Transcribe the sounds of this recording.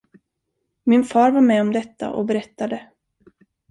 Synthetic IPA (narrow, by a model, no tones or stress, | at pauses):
mɪnfɑːɾvaɾmɛɔmd̪ɛt̪ːa̰ʔɔ̰bɛɾɛt̪ːad̪ə